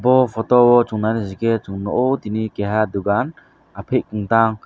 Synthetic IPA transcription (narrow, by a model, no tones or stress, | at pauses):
bɔpʰɔt̪ɔwɔt͡ʃuŋnaniziket͡ʃuŋnɔʔɔt̪inikeɦad̪uɡan | apʰeʔ̚kuŋt̪aŋ